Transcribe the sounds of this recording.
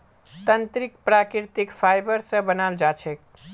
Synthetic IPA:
t̪ənt̪ɾikpɾakɾiɾt̪ikfʰajbəɾsə̃bənald͡ʒat͡ʃʰɛk

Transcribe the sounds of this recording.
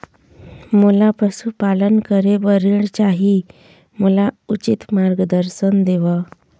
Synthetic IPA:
mulapəsupalənkəɾebəɾiɳt͡ɕaɦi | məlaut͡ɕit̪maɾɡəd̪əɾsənd̪eʋa

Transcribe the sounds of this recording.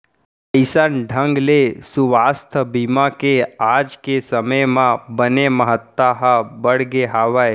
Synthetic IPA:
əɪsanɖʱə̃ŋɡlesuʋast̪ʰəbimakead͡ʒkesəməjmãbəneməɦət̪ːaɦabəɽɡeɦaʋaj

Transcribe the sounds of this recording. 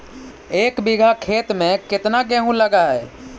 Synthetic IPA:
eːkbiɡʱakʰeːt̪mẽkɪt̪naɡɛ̃ɦũləɡaɦɛː

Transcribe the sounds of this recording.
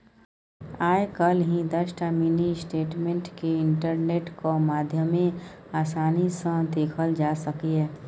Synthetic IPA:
aːekəlɦĩd̪əʃʈaminisʈeːʈmẽɳʈkeɪɳʈəɾneːʈkomaːd̪ʱjəmẽ | aːsaːnisə̃d̪eːkʰəld͡ʒaːsəkieː

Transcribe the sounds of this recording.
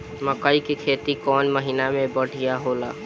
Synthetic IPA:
məkəikekʰet̪ikɔnməɦinamebəɽ̤ʱijaɦola

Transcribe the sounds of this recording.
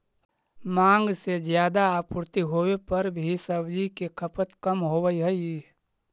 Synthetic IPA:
mãːŋɡsed͡ʒjaːd̪aaːpʊɾt̪iɦoːwepɐɾbʱisəbd͡ʒikekʰəpət̪kəmɦoːʋəiɦəi

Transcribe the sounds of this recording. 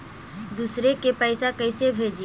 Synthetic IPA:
d̪usɾekepəɪsakəɪsebʱeːd͡ʒi

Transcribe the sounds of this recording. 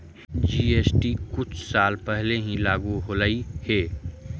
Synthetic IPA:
d͡ʒiːeːsʈikʊt͡ʃʰsaːlpɛɦleɦĩlaːɡuɦoləiheː

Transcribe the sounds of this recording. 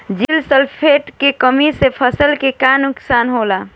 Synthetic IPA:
d͡ʒilsəlpʰeʈkekəmisepʰəsəlkekanʊksaːnɦoːla

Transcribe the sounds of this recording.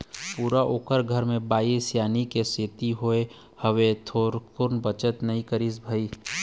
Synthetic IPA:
puːɾaʔoːkəɾɡʱəɾmẽbaːisjaːnikeseːt̪iɦoe | həʋet̪ʰoːɾkʊɾnbət͡ʃət̪nɐɦĩkəɾisbʱəiː

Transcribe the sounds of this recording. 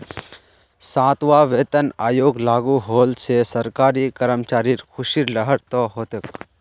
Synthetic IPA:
sãːt̪ʋaːʋeːt̪ənaːjoːɡlaːɡuɦoːlsesɐɾkaːɾiːkɐɾəmt͡ʃaːɾiɾkʰʊʃiɾlɐɦəɽt̪ɔɦoːt̪ek

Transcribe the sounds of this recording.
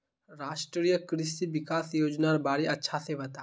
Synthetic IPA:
ɾaːʃʈɾɾijəkɾɪst̪iʋɪkaːsjoːd͡ʒnaɾbaːɾeɐtːʃʰaseʋɐt̪a

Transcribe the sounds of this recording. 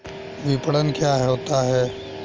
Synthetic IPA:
ʋɪpɽənkjaɦot̪aɦɛː

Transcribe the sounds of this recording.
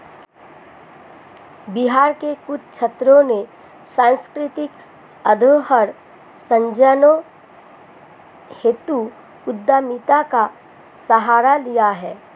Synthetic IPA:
biɦaːɾkekʊt͡ʃʰt͡ʃʰət̪ɾõne | sãːnskɾɪt̪ɪk | əd̪ʱoɦəɾ | sə̃ɲd͡ʒəno | heːt̪u | ʊd̪ːaːmit̪aka | səɦaːɾalijaɦɛː

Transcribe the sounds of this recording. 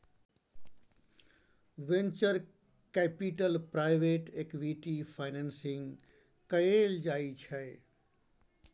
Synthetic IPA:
ʋẽnt͡ʃəɾ | kɛpiʈəlpɾaːɪʋeːʈekʋiʈipʰaɪnensɪ̃ŋ | kɐeld͡ʒaːit͡ʃʰəe

